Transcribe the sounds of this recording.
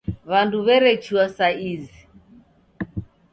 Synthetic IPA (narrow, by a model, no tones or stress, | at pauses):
βanduβɛɾɛt͡ʃuwasaizi